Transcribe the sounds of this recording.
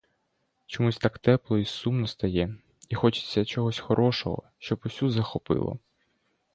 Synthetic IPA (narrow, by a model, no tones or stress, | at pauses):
t͡ʃɔmusʲt̪akt̪ɛplˠɔisumnɔst̪ɐjɛ | ixɔt͡ʃɪ̥t͡sʲːɐt͡ʃɔɦɔsʲxɔɾʔɔʃɔ̰ɦɔ̰ʃt͡ʃɔbʊsʲuzɐxɔpɪ̰lˠɔ̰